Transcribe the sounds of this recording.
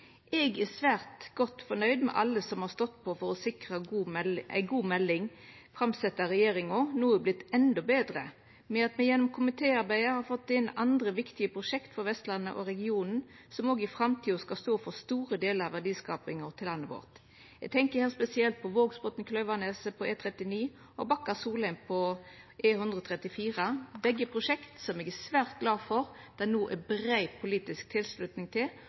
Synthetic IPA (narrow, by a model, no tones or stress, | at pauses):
ʔɛɡæsʋæːʁt̪ɡ̥ɔt̪ːfɔnœʏd̪mɛ̰ʔɑ̰lːəsɔmhɑʁst̪ɔt̪ːpʰɔfɔɾɔsɪkʁəːæ̰ɪɡuːmɛlːɪŋ | fɾɑmsɛt̪ːəɾɛjeːɾɪŋɔnuːəblɪt̪ːɛnd̪ɔbeːd̪ɾə | mɛɑt̪mɛjɛnːɔmkʰʊmɪt̪ʰeːɑɾbæɪəhɑʁfɔt̪ːɪnɑnd̪ʁəʋɪkt̪ɪəpʰʁʊʃɛkt̪fɔʁʋɛst̪lɑnːə̰ʔɔ̰ɾɛɡɪuːnn̩ | sɔmoːɡɪfɾɑmt̪ʰiːʊskɑst̪oːfɔst̪uːɾəd̪eːləɾɑʋæʁd̪iːskɑːpɪŋɔʁt̪ʰɪlːɑnːəbo̰ːʁt̪ | ɛɡ̚t̪ʰɛŋkəhɛːlspɛsɪɛlt̪̚pʰɔʋoːɡsbɔt̪n̩kʰlœʋɑneːsəpʰɔeːt̪ʰʁɛt̪ɪniː | ɔbɑkːəsuːlənpʰɔʔeːhʉnd̪ʁəɔːt̪ʰʁɛt̪ɪfiːɾəbɛɡːəpʰʁʊʂɛkt̪sɔmɛɡæsʋæːʁt̪̚ɡlɑːfɔɾ | d̪̥ɛnuːʔɛbɾæɪpʰʊliːt̪ɪsk̚t̪ʰɪlslʉt̪nɪŋt̪ʰɪl